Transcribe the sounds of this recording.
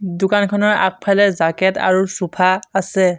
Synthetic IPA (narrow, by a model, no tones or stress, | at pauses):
dʊkankʰɔnɔɹa̰k̚pʰalɛzakɛta̰ɹusupʰaːsɛ